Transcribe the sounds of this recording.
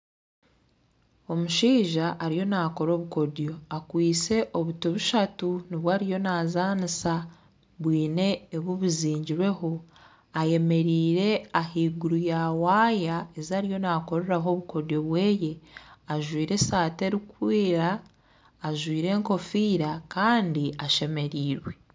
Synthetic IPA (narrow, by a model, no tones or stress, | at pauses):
o̞muʃiːʒaʔːɾijo̞nako̞ɾo̞ːβuko̞djo̞akwiːt͡se̞ʔo̞βutuβuʃatuniβwaːɾijo̞naːzaːnisa | βwiːne̞ːβuβuziːɲɟiɾwe̞ɦo̞ | aje̞me̞ɾiːɾe̞ahiːɡuɾujawaːjae̞zaːɾijo̞nako̞ɾeɾaɦo̞βuko̞djo̞βwe̞ːje̞aʒwiːɾe̞saːte̞ɾikwiːɾaː | ʒwiːɾe̞ŋko̞fiːɾakaːndiaʃe̞me̞ɾiːɾwe̞